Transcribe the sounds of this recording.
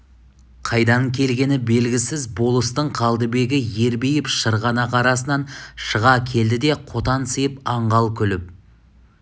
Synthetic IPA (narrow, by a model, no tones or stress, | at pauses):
qʰɑjd̪ɑŋkʲʰe̞lɡʲe̞nɪbe̞lɡʲɪsɪzbo̞lˠəst̪əɴqʰɑlˠd̪əbe̞ɡʲɪje̞ɾbejɪpʃəɾʁɑnɑqɑɾɑsənɑnʃəʁɑkʲʰe̞ld̪ɪd̪e̞qʰo̞t̪ɑnsəjɪpɑɴʁɑlˠkʲʰʏlɪp̚